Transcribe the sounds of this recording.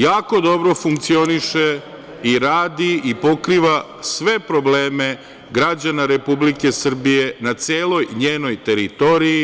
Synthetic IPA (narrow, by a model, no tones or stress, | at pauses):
jaːko̞d̪o̞bɾo̞fuŋkt̪sio̞niʃe | iɾaːd̪iipo̞kɾiːʋa | sʋe̞pɾo̞ble̞ːme̞ | ɡɾad͡ʑanaɾe̞publike̞sr̩bije̞nat̪seːlˠo̞jɲeːno̞jt̪e̞ɾit̪o̞ɾiji